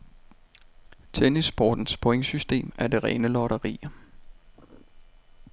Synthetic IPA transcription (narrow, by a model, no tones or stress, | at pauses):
t͡sʰenisb̥ɒ̰ːd̥n̩spʰoeŋsysd̥e̝̰ːmæɐd̥e̝ʁɛːnəlɒɾɐʁḭː